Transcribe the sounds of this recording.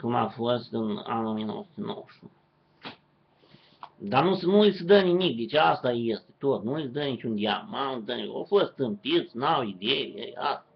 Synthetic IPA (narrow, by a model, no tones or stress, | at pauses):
kuma̰fost̪ɨna̰nomijeno̰wsu̥t̪ʲeno̰wəʃun | d̪anusnuɨisəd̪ənimik̚d̪et͡ʃeast̪ajest̪e̥t̪o̞t̪nuɨisd̪ənit͡ʃund̪iamand̪əno̰fost̪ɨmpit̪snawid̪eḭḛa̰sa